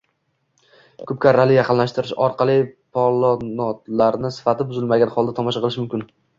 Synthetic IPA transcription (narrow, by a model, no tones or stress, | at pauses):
kʰɵp̚kʲaɾːalɪjɑqʰɨnlaʃt̪ɪɾɪʃɒ̰ɾqʰɑlˠɪpʰɒlˠɒnɒt̪laɾnɪsɪ̥fat̪ʰɪbʊzɪlmaɡʲanχɒlˠd̪at̪ʰɒmɒʃɑqʰɨlɪʃmʊmkʲɪn